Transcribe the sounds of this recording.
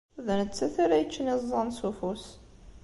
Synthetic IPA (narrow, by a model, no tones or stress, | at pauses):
ðənət͡sːæθaɾæjət͡ʃːənezˤːɑnsufus